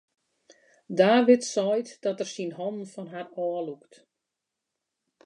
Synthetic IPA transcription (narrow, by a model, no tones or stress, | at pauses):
daːʋɪtsɔjtd̥ɔtərsinɦɔndn̩fɔnɦarɔːəlukt